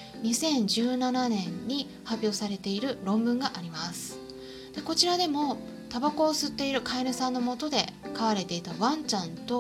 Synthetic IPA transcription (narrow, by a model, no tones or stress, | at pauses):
ɲ̟isẽ̞ɲ̟d͡ʑɨːnananẽ̞ɲːi | hapʲjo̞ːsaɾe̞t̪e̞iɾɯ̟ɾõ̞mbɯ̟̃ŋɡaʔaɾʲimasɨ̥ | d̪̥e̞ko̞t͡ɕiɾad̪e̞mo̞ | t̪abako̞ːsɨt̪ːe̞iɾɯ̟kaiɾɯ̟sãnːo̞mo̞t̪o̞d̪e̞kaβaɾe̞t̪e̞it̪aβãɲt͡ɕãnt̪o̞